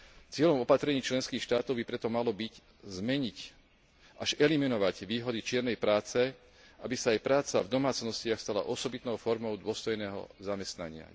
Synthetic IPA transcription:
t͡sɪɛʎɔmɔpat̪ɾɛɲiːt͡ʃlɛnskiːxʃt̪aːt̪ɔʊbipɾɛt̪ɔmalɔbic | zmɛɲic | aʒɛliminɔʋaɟʋiːɦɔd̪it͡ʃɪɛɾnɛjpɾaːt͡sɛ | ʔabisaːjpɾaːt͡savd̪ɔmaːt͡snɔscɪaxst̪ala̰ʔɔsɔbit̪nɔʊfɔɾmɔʊd̪ʊɔst̪ɔjnɛːɦɔ̰zamɛst̪na̰ɲɪa̰

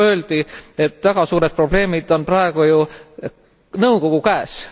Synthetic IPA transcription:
ø̞ːld̪̥ie̞t̪ːˑvæɡ̥ɑsuːɾet̪̚pro̞b̥le̞ːmid̪̥o̞nprɑeɡ̥uju | nɤwko̞ɡ̥ukæːs

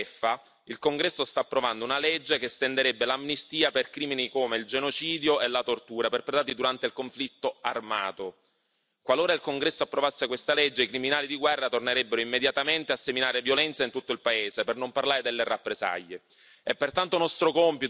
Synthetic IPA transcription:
fːa | ilkoŋɡɾɛsːost̪aːpːɾovand̪ounaled͡ʒːekest̪end̪eɾebːelamnist̪iːaperkɾiːminikoːmeild͡ʒenot͡ʃiːd̪joʔelat̪ort̪uːɾaperpɾet̪aːt̪id̪uɾant̪eilkoɱflit̪ːoarma̰ːt̪o | kwaloːɾailkoŋɡɾɛsːoapːɾovasːekwest̪aled͡ʒːeikɾiminaːlid̪iɡwɛrːat̪orneɾebːeɾoimːed̪jat̪ament̪easːeminaːɾevjolɛnt̪saint̪ut̪ːoilpaeːzepernomparlaːɾed̪elːerapːɾeza̰ʎːe | epːert̪ant̪onɔst̪ɾokɔmpit̪

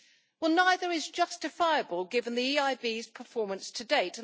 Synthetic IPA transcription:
wɛlˠnaɪðə˞ɪzd͡ʒʌstɨfaɪəbəlˠɡɪvə̃nðiiaɪbiz̥pʰəfɔɹmə̃nstʰɨdeɪtə̃

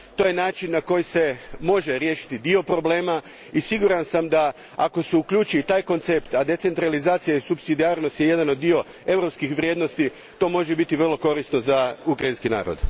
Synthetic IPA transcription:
t̪o̞ːje̞naːt͡ʃinːako̞jise̞mo̞ʒe̞ɾjeːʃi̥t̪id̪io̞pɾo̞ble̞ːma | isiɡuɾansamd̪a | a̰ko̞seukʎʲuːt͡ʃiit̪aːjko̞nt̪se̞pt̪ad̪e̞t̪se̞nt̪ɾalizaːt̪sijaisupsid̪iaːɾnost̪jeje̞d̪ano̞d̪̚ːio̞ | e̞ʋɾo̞pskixʋɾʲje̞ːd̪no̞st̪i | t̪o̞ːmo̞ʒebit̪iʋr̩lˠo̞ko̞ɾist̪no̞zaukɾajinskina̰ːɾo̰d̪

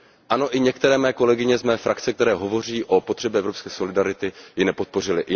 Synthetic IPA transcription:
ʔano̞ʔɪɲɛkt̪ɛɾɛːmɛːko̞lɛɡɪɲɛzmɛːfɾakt͡sɛkt̪ɛɾɛːɦo̞vo̞riːʔo̞pot̪r̥ɛbjɛɛvɾopskɛːso̞lɪdaɾɪt̪ɪjɪnɛpo̞t̪̚po̞r̝ɪlɪ

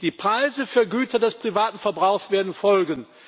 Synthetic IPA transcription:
d̥iːpʁ̥aɪzəfyːɐɡyːtɐdɛspʁ̥ivaːtn̩fɛɐbʁaʊxsv̥eːɐdn̩fɔlɡən

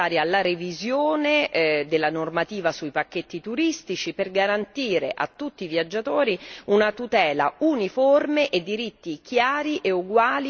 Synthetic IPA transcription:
aːɾealːaɾevizjoːned̪elːanormat̪iːvasuipakːet̪ːit̪uɾist̪it͡ʃiperɡaɾant̪iːɾḛʔa̰t̪ːut̪ːiːvjad͡ʒːat̪oːɾiunat̪ut̪ɛːla̰uniformeʔed̪ːiɾit̪ːikjaːɾiʔeuɡwaːli

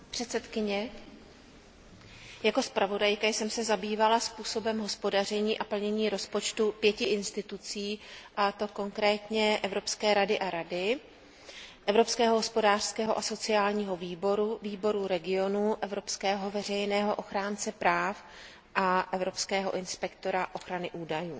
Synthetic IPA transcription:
pr̥ɛt̪sɛt̪kɪɲɛ | jako̞spɾavo̞dajkajsɛmsɛzabiːvalaspuːso̞bɛmɦo̞spo̞dar̝ɛɲiːʔapl̩ɲɛɲiːɾo̞spo̞t͡ʃt̪upjɛcɪʔɪnst̪ɪt̪ut͡siːʔat̪o̞ko̞ŋkɾɛːt̪ɲɛʔɛvɾo̞pskɛːɾadɪʔaɾadɪ | ʔɛvɾo̞pskɛːɦoɦospo̞daːr̥skɛːɦo̞ʔaso̞t͡sɪaːlɲiːɦo̞viːboɾuviːbo̞ɾuɾɛɡɪo̞nuʔɛvɾo̞pskɛːɦo̞vɛr̝ɛjnɛːɦo̞ʔo̞xɾaːnt͡sɛpɾaːf | ʔaʔɛvɾo̞pskɛːɦo̞̰ʔɪnspɛkt̪o̞ɾaʔo̞xɾanɪʔuːdajṵː

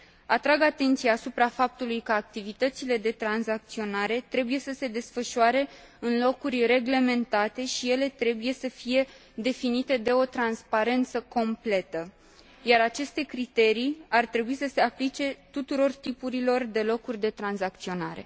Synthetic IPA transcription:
at̪ɾaɡat̪e̞nt̪sijaːsupɾafap̚t̪ulujkəak̚t̪ivit̪ət̪sile̞d̪e̞t̪ɾanzak̚t̪sio̞naɾe̞t̪ɾe̞buje̞səse̞d̪e̞sfəʃuaɾe̞ | ɨnlo̞kurʲre̞ɡle̞me̞nt̪at̪e̞ʃije̞le̞t̪ɾe̞buje̞səfije̞ | d̪e̞finit̪e̞d̪e̞o̞t̪ɾanspaɾe̞nt̪səko̞mple̞t̪ə | jaɾat͡ʃe̞st̪e̞kɾit̪e̞ɾiart̪ɾe̞buisəse̞aplit͡ʃe̞t̪ut̪uɾo̞rt̪ipuɾilo̞rd̪e̞lo̞kurʲd̪e̞t̪ɾanzakt̪sio̞naɾe̞̰

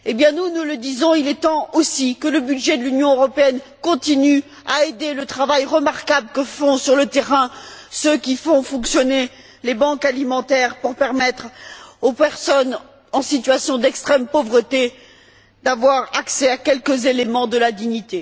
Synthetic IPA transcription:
ebjɛ̃nunuləd̪izɔ̃ilɛt̪ɑ̃osikələbyd̪ʒɛd̪əlynjɔ̃øʁɔpeɛnkɔ̃t̪iny | aed̪elət̪χavajʁəmaʁkabləkəfɔ̃syʁlət̪eʁɛ̃søkʲifɔ̃fɔ̃ksjɔne | lebɑ̃kalimɑ̃t̪ɛʁpuʁpɛʁmɛt̪χopɛʁsɔn | ɑ̃sit̪ɥasjɔ̃d̪ɛkst̪χɛmpovʁət̪e | d̪avwaʁaksɛakʲɛlkəzelemɑ̃d̪əlad̪iɲit̪e

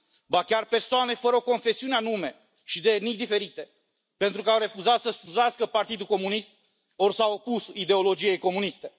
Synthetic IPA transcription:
bakʲarpe̞rsoane̞fəɾəo̞ko̞nfe̞siuneanume̞ | ʃid̪enijd̪ife̞ɾit̪e̞ | pe̞nt̪ɾukəawɾe̞fuzat̪səsuʒaskəpart̪id̪uko̞munist̪̚ | o̞rsawopusid̪e̞o̞lo̞d͡ʒije̞jko̞munist̪e̞

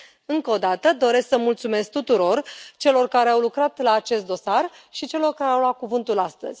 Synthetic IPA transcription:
ɨŋkəod̪at̪əd̪o̞ɾe̞sksəmult̪sume̞sk̚t̪ut̪uɾo̞rt͡ʃe̞lo̞rkaɾe̞awlukɾat̪laːt͡ʃe̞st̪d̪o̞sar | ʃit͡ʃe̞lo̞rkaɾeawlat̪̚kuvɨnt̪ulast̪ə̰z̥ʲ

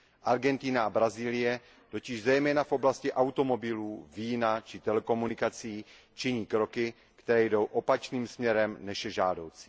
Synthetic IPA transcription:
ʔaɾɡɛnt̪ɪnaabɾaziːlɪjɛ | t̪o̞cɪʒzɛjmɛːnafʔo̞blascɪʔawt̪o̞mo̞bɪluːviːnat͡ʃɪt̪ɛlɛko̞munɪkat͡siː | t͡ʃɪɲiːkɾo̞kɪ | kt̪ɛɾɛːjdo̞wʔo̞pat͡ʃniːmsmɲɛɾɛmnɛʃjɛʒaːdo̞wt͡si̥

